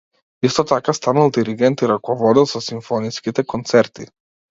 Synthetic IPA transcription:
ist̪ɔt̪akast̪analˠd̪iɾiɡɛnt̪iɾakɔvɔd̪ilˠsɔsiɱfɔniskit̪ɛkɔnt̪sɛɾt̪i

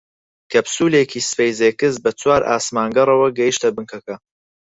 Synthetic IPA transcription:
kʰɐbsuːlekʰiːsɨ̥fejzekɨz̚bɐt͡sʰwaːɾʔa̰ːsmaːŋɡɐrˤɐwɐɡɐjiʃt̪ɐbɨŋkʰɐkɐ

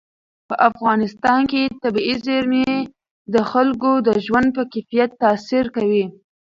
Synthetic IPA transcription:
pəʔafɣɑnɪst̪ɑnket̪abiizeɾme | d̪əxalkod̪əʒwand̪̚pəkafijat̪ːɑsiɾkawi

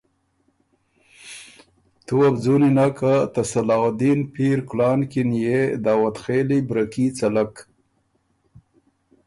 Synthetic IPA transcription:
t̪uabd͡zuninakat̪asalɑːwd̪inpiɾklɑːnkinjed̪ɑːwat̪xelibɾakit͡salak

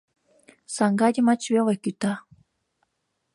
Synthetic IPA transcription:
sɑŋɡɑdʲə̆mɑt͡ɕβelekyt̪ɑ

